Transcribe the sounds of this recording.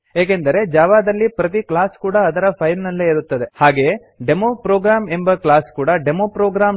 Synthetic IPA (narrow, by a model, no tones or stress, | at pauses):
eːk̬end̪ɐɾe̞d͡ʒaːʋaːd̪ɐlːipɾɐt̪̬iklaːskuːɽɐːd̪ɐɾɐpʰɐjlnɐlːeiɾut̪ːɐd̪e̞haːɡe̞ | ɖe̞mopɾoːɡɾaːme̞mbɐklaːskuːɽɐɖe̞mopɾoːɡɾaːm